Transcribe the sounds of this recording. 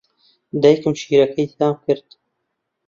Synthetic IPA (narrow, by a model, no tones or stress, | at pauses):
d̪ɐjkɨmʃiːɾɐkʰɐjt̪aːmkɨɾd̪̥